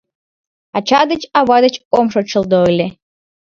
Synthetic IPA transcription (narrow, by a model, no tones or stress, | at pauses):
at͡ʃʰad̪ɨt͡ʃʼawad̪ɐt͡ʃʼkʷʼɔmʂoʈ͡ʂʰɨld̪olʲe